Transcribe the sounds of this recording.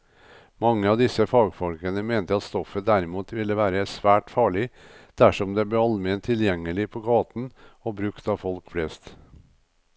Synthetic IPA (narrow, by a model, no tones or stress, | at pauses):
mɑŋːəɑːʋd̪ɪsəfɑːɡfɔlkənəmeːnt̪əɑt̪st̪ɔfəd̪æɾɪmuːt̪ʋɪlːəʋæːɾəsʋæːʈfɑːɭɪd̪̥æʂɔmd̪eːb̪eːɑlmɛnt̪ʰːɪljɛŋːəlɪpʰoːɡɑːt̪n̩obɾʉkt̪ɑːfɔlkflɛst̪